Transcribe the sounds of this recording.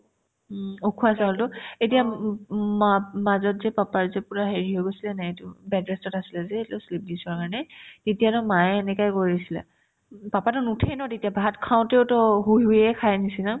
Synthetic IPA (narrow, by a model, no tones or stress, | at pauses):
okʰuasaɦɔltʊetija | mamazɔtzɛpapaɹzɛpuɹaɦeɹiɦɔjɡojsilɛnaetʊbɛdɹɛstɔtasilɛzɛːtɛʊslip̚disaɹkaɹnɛtetijatɔmajɛnɛkajkojisila̰ | papatʊnutʰɛjnɔtetijabʱatkʰaʊ̃teʊtɔɦujujɛkʰajnisina